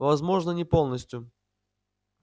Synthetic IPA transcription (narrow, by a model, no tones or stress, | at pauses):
vɐzmo̞ʐnənʲɪpo̞lˠnəsʲtʲjʊ